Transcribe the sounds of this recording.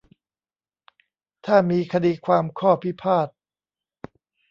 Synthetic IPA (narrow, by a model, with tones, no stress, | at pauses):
t̪ʰaː˥˩miː˧kʰa˧diː˧kʰwaː˧mkʰɔː˥˩pʰi˦˥˩pʰaː˥˩t̪̚